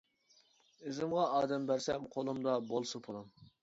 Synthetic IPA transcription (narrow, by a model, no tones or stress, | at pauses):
ɪzɪmʁɑɑːd̪ɛmbæɾsɛmqʰolˠumd̪ɑbolˠsɨpʰolˠɑm